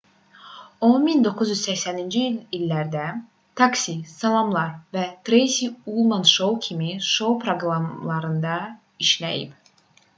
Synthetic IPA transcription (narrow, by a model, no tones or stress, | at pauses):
omind̪o̞kʰuzjyzsæçsænind͡ʒiililːæɾd̪æ | t̪ʰɑksisɑlˠɑmlˠɑɾvæt̪ɾejsiulˠmɑnʃo̞wcʰimiʃo̞wpʰɾoɡɾɑmlˠɑɾɯnd̪ɑ | iʃlæ̰jḭb